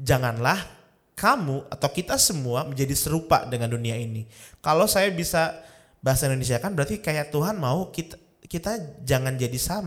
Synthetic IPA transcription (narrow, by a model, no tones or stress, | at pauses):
d͡ʒaŋanlah | kamua̰t̪awkit̪asəmuaməɲd͡ʒadisəɾupa̰dəŋanduniainikalasajabisa | baɦasaindones̬iakanbəɾart̪ikajaʔt̪uɦanmaukit̪a | kit̪ad͡ʒaŋand͡ʒadisam